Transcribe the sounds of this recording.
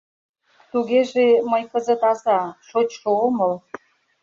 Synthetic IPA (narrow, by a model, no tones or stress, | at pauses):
t̪uɣeʒeməjkəzə̆t̪ɑzɑʃot͡ɕʃooməl